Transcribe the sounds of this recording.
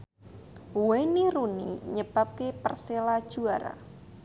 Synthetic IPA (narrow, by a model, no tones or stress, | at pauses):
weniɾunḭɲəb̥a̤p̚kepərselad̥ʒ̥uaɾa̰